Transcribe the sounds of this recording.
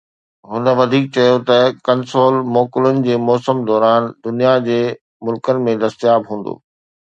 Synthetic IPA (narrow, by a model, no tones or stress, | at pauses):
ɦʊnə̆ʋɐd̪ʱiːk̚t͡ɕɐjot̪ɐkɐnsoːlmɔːkʊlʊnɪ̆d͡ʑeːmɔːsəmd̪ɔːɾaːnd̪ʊnijad͡ʑeː | mʊlkənɪ̆mẽd̪ɐst̪jaːbɦũːn̆d̪o̰ː